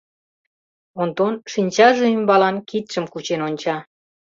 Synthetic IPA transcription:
ont̪onʃinʲt͡ɕɑʒeymbɑlɑnkit̪ʃəmkut͡ɕenonʲt͡ɕɑ

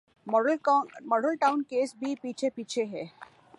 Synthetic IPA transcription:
mɔɖəlʈaʊnkeːsbʱipiːt͡ʃʰepiːt͡ʃʰeɦɛː

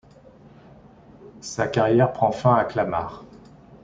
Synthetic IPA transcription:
sakaʁjɛʁpχɑ̃fɛ̃aklama̰ːʁ

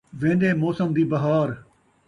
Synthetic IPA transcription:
ʋẽːnd̪eːmoːsəmd̪iːbɐɦaːɾ

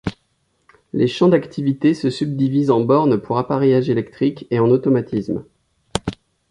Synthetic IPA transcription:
leʃɑ̃d̪akt̪ʰivit̪esəsyb̚d̪ivizɑ̃bɔʁnpʰuʁapaʁejaʒelɛkt̪χikeɑ̃not̪ɔmat̪ism

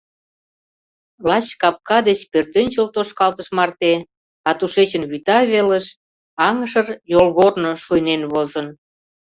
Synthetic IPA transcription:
lɑt͡ɕkɑp̚kɑd̪et͡ɕpørt̪ønʲt͡ɕolt̪oʃkɑlt̪əʃmɑrt̪e | ɑt̪uʃet͡ɕənβyt̪ɑβeləʃ | ɑŋəʃərjolɣornoʃujnenβozə̆n

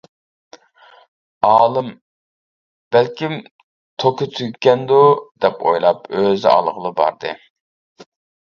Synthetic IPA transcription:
ɑːlˠɨm | b̥ælkʲim | t̪ʰokʰʊt̪ʰyɡʲkʲːɛnd̪ud̪ɛpo̰jlˠɑpøzɑ̰lˠʁəlˠɨbɑ̰ɾd̪ɨ

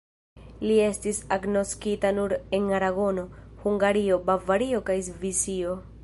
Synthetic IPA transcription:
lie̞stisaɡno̞skitanuɾe̞naɾaɡo̞no̞huŋɡaɾio̞bavaɾio̞kajzvisio̞

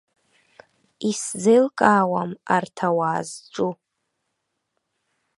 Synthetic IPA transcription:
iszɨlkʼaːwama̰rtʰawaːzʈ͡ʂʷʼu

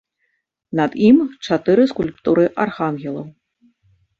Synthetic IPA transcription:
nɐd̪imt͡ʂat̪ɨɾɨskulʲpt̪uɾɨʔarxanɣʲɛlˠɐw

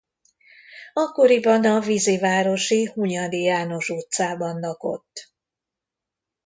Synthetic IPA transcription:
ɒkːo̞ɾibɒnɒvizivaːɾo̞ʃihuɲɒd̪ijaːno̞ʃuːt̪saːbɒnlɒko̞̰t̪ː

